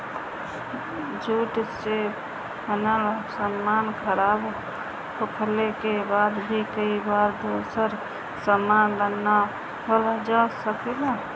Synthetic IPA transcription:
d͡ʒuʈse | bənalasəmːankʰəɾab | pʰokʰlekebaːd̪bʱikəibaɾd̪osəɾ | səmːanlənːa | ɦold͡ʒasəkela

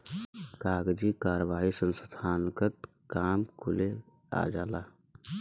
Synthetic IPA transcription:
kaːɡd͡ʒikaːɾəʋaːɦisənsəd̪ʱaːnkət̪ | kaːmkʰʊle | a̰ːd͡ʒaːlaː

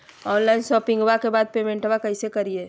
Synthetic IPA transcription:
ɔːnlaɪnʃɔpɪ̃ŋɡbakebaːd̪̚pemẽɳʈbakəɪsekəɾie

